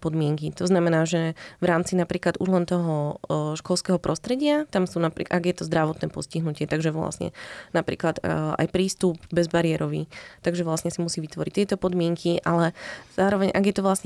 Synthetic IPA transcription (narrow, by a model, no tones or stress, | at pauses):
pɔd̪mɪɛŋkit̪ɔznamɛnaːʒɛʋɾaːmt͡sinapɾiːklad̪ʔṵʒlɛnt̪ɔɦɔʃkɔlskɛːɦɔpɾɔst̪ɾɛɟɪat̪amsuːnapɾḭʔaɡjɛt̪ɔzd̪ɾaʋɔt̪nɛːpɔsciɦnucɪɛt̪aɡʒɛʋla̰sɲɛ̰napɾḭːklad̪ʔa̰jpɾiːst̪ubbɛzbaɾɪɛɾɔʋḭːt̪aɡʒɛʋlasɲɛsimusiːʋit̪ʋɔɾic̚t̪ɪɛt̪ɔpɔd̪mɪɛŋkʰiʔalɛzaːɾɔʋɛɲʔa̰ɡjɛt̪ɔʋlasɲɛ